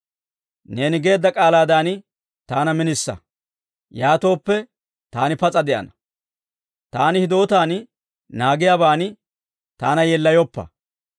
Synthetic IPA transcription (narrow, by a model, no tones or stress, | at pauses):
ne̞ːnɪɡe̞ːd̪ːɐkʼaːlaːd̪aːnɪ | t̪aːnɐmɪnɪsːɐ̰ | jaːt̪o̞ːpːɛ | t̪aːnɪpɐt͡sʼɐd̪ɛʔɐ̰nɐ | t̪aːnɪhɪd̪o̞ːt̪aːn | naːɡɪjaːbaːn | t̪aːnɐjɛlːɐjɔpːɐ̰